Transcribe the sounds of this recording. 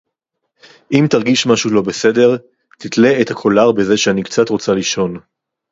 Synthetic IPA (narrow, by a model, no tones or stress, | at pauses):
ʔimtaʁɡiʃmaʃulo̞bese̞de̞ʁ | t̪it̪le̞ːthakʰo̞laʁbe̞ze̞ʃeanikt͡satʁo̞t͡saliʃo̞n